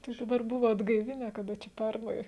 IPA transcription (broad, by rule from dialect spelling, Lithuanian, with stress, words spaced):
tɐɪ dɐˈbɐr ˈbʊʋoː ɐdɡɐɪˈʋʲɪnʲæː kɐˈdɐ t͡ʃʲɛ ˈpʲɛrnɐɪ